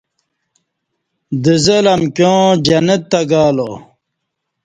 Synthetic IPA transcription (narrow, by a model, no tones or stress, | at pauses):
d̪izelɐmkjõːd͡ʑɐnet̪ːɐɡaːlo